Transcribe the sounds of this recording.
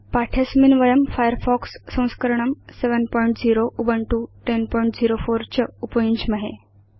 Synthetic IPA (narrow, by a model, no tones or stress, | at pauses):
paʈʰesminʋəjəmfajəɾfɔksːə̃w̃skəɾɳ̃əmseʋənpɔjɳʈd͡ziɾoʔubəɳʈuʈenpɔiɳʈd͡ziɾofoɾt͡ɕəupəjũɲt͡ɕməɦe